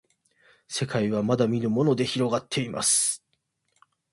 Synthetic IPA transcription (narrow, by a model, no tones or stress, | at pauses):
se̞kaiβ̞amad̪amʲinɯ̟mo̞no̞d̪e̞çiɾo̞ɡat̪ʰːe̞ima̰sɨ̥